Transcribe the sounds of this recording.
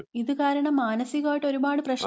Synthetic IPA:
iðɨkaːɾɐɳɐmːaːnɐsiɣaːjʈːo̞ɾubaːɽɨprɐɕ

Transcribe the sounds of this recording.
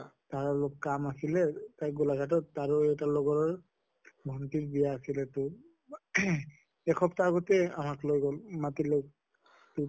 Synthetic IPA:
taɹɔlokːkamasilɛtajɡulaɡʱat̬ɔtːaɹoɛjtalɔɡɔɹɔɹ | bʱɔntitbijaːsilɛtʊ | ɛkʰɔptaːɡɔtɛamaklojɡɔlmatilojk | tu

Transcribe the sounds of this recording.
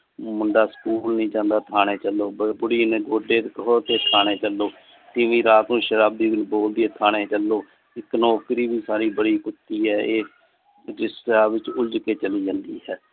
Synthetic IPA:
mʊɳɖaːskuːlnĩːt͡ʃãːnd̪aːt̪ʰaːɽ̃eːt͡ʃəlːoːbbʊɽiːneːɡoːɖeːt̪kəɦoːt̪eːt̪ʰaːɽ̃eːt͡ʃəlːoː | t̪ɪːʋĩːɾaːt̪ũːʃəɾaːbiːɡɪlboːld̪ieːt̪ʰaːɽ̃eːt͡ʃəlːoː | ɪknɔːkɾiːbiːsaːɾiːbəɽiːkʊt̪ːiːɦɛːeː | d͡ʒɪsaːʋɪt͡ʃʊd͡ʒkeːt͡ʃəliːd͡ʒãːnd̪iːɦɛː

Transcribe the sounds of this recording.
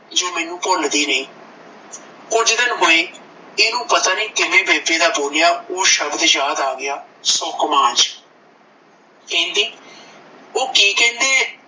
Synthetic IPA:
d͡ʒoːmɛːnũːpʊld̪iːnəĩː | kʊd͡ʒd̪ɪnɦoːeː | eːnũːpət̪aːnĩːk̪ɪʋẽːbeːbeːd̪aːboːlɪjaːoːʃəbd̪jaːd̪aːɡɪjaːsɔkmãːt͡ʃ | kɛ̃ːnd̪iː | oːkiːkɛ̃ːnd̪eː

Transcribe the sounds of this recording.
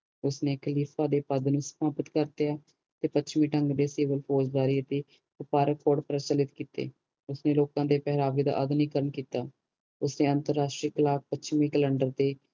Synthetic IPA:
ʊsneːkʰəliːpʰaːd̪eːpəd̪nũːsə̥maːpət̪kəɾt̪ejaː | t̪eːpət͡ʃʰmĩːʈəŋɡd̪eːsiːʋəlpʰoːsbaːɾiːt̪eː | ʊpaːɾəkːoːɖpəɾət͡ʃəlɪt̪kiːt̪ḛː | ʊsneːloːkãːd̪eːpɛɦɾaːʋiːd̪a̰ːʔəd̪niːkəɾəɳkiːt̪aː | ʊsneːənt̪əɾːaːʃʈɾiːkəlaːk̚pət͡ʃmĩːkələɳɖəɾt̪eː

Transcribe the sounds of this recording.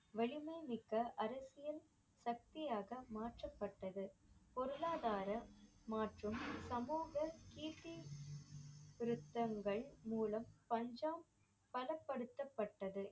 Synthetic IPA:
ʋɛɭɪmɐɪmɪkːɐʔɐɾɐsɪjɐn | sɐk̚t̪ɪjaːɣɐmaːʈrɐpːɐʈːɐðɯpɔɾɯlaːðaːɾɐmaːʈrɯmsɐmuːɣɐkiːʈːɪ | ʋɪɾɯt̪ːɐŋɡɐɭmuːlɐmpɐɲd͡ʒaːm | pɐlɐpːɐɽɯt̪ːɐpːɐʈːɐðɯ

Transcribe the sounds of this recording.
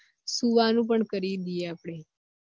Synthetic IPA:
suʋanũp̬əɳkəɾid̪ijeapɽ̃e

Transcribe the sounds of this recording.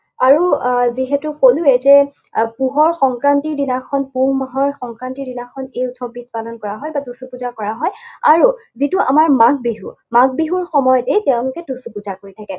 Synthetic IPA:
aɹuziɦetuxoluɛzɛ | puɦɔɹxɔŋkɹantiɹdinakʰɔnpuŋmaɦɔɹxɔŋkɹantiɹdinakʰɔnejutʰɔbit̚palɔnkɔɹaɦɔjbadusupuzakɔɹaɦɔjaɹuzituʔa̰maɹmaɡ̚biɦṵ | maɡ̚biɦuɹxɔmɔjɔtejteʊ̃lʊkɛtusupuzakoɹitʰakɛ

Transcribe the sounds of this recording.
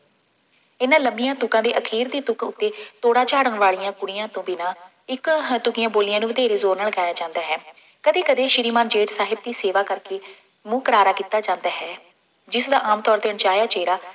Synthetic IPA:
ɪnãːləmbɪjãːt̪ʊkãːd̪eːʔəkʰiːɾd̪iːt̪ʊkʊt̪ːeːt̪oːɽaːt͡ʃaːɽənʋaːɭijãːkʊɽɪjãːt̪õːbinãː | ɪkt̪ʊkɪjãːboːlɪjãːnũːʋəd̪eːɾeːzoːɾnaːlɡɛːnaːt͡ʃãːnd̪aːɦɛː | kəd̪eːkəd̪eːʃɪɾiːmaːnd͡ʒeːʈsaːɦɪb̚d̪iːseːʋaːkəɾkeː | mũːkəɾaːɾaːkit̪ːaːd͡ʒãːnd̪aːɦɛː | d͡ʒɪsd̪aːʔaːmt̪ɔːɾd̪eːəɳt͡ʃaːjaːt͡ʃeːɾaː

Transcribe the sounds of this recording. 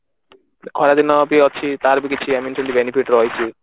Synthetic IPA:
ɔɾad̪inɔbiɔt͡ʃʰit̪aɾbikit͡ʃʰiamint͡ʃʰũnt̪ibenipiʈɾɔjt͡ʃʰi

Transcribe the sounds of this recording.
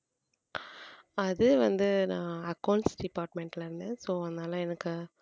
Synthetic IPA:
ɐðɯʋɐnd̪ɯnãːɐkːɐʊɳʈsɖɪpaːɾʈmɛɳʈlɐɪɾɯnd̪ẽːsoːɐðnaːlɐ̃ɛnɐkːɯ

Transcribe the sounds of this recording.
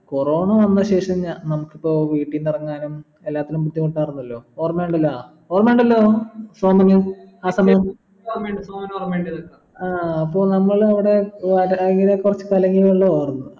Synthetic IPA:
koro̞ːɳɐʋɐnːɐɕe̞ːʂɐɲaːnnɐmukːipːo̞ːʋiːʈːinːirɐŋːaːnum | elːaːt̪ːilumput̪ːjikoɳʈːaːrunːɐlːo̞ːoːrmeːɳɖɐlːɐ | oːrmeːɳɖɐlːoːsoːmɐnuaːsɐmɐjɐm | oːrmeɳɖɨsoːmɐnoːrmeɳɖɐðɐkːɐ | aːɐpːo̞ːnɐmːɐɭɐʋiɽe̞ʋaɾŋɡilekurɐt͡ɕːɨ̥kaleŋɡiluɭːɐoːrnːu

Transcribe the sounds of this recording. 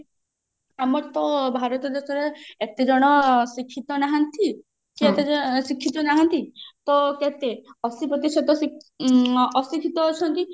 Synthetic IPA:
amɔɾt̪ɔbʱaɾɔt̪ɔd̪esɔɾeet̪ed͡ʒɔɽ̃ɔsikʰːit̪ɔnaɦant̪i | kiet̪esikʰːit̪ɔnaɦant̪it̪ɔket̪eɔsipɾɔt̪isɔt̪ɔsi | ɔsikʰit̪ɔːt͡ʃʰɔnt̪i

